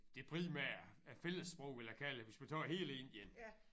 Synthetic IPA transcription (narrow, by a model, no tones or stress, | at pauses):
d̥e̝pʰʁimæɐ̰æfeləsːb̥ʁɔʊ̰ʋeljakʰæləʋe̝smæt͡sʰɑːɦe̝̰ːle̝n̰i̥en